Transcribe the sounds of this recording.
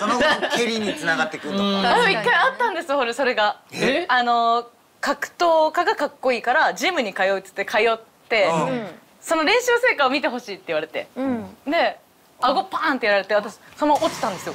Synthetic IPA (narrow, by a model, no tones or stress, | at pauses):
sonokeɾʲiɲ̟it͡sɨnaɡat̪ːe̞kɯ̟oaoikːaiat̪ːãnd̪e̞sɨjohoɾeso̞ɾe̞ɡaano̞ | kakɯ̟̥t̪o̞ːkaɡakakːo̞iːkaɾad͡ʑimɯ̟ɲ̟ikajo̞it͡sɨ̥t̪ːe̞kʰajo̞t̪ːe̞ | so̞no̞ɾẽ̞ɰ̃ɕɨːse̞ːkaomʲit̪e̞ɦo̞ɕiːt̪ːe̞iβaɾe̞t̪e̞̰d̪e̞ | aɡo̞pãnt̪ːe̞jaɾaɾe̞t̪eat̪aɕi̥sonoʔot͡ɕi̥t̪ãnd̪e̞sɨjo